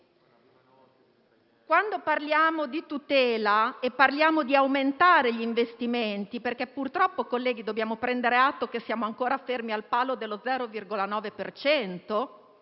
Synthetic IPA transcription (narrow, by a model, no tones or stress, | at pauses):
kwand̪oparljaːmod̪it̪ut̪ɛːlaepːarljaːmod̪iawment̪aːɾeʎiːɱvest̪iment̪iperkepːurt̪ɾɔpːokolːɛːɡ̟id̪objaːmopɾɛnd̪eɾeat̪ːokesːjaːmoaŋkoːɾafermialpaːlod̪elːod̪zɛːɾovirɡolanɔːvepert͡ʃɛnt̪o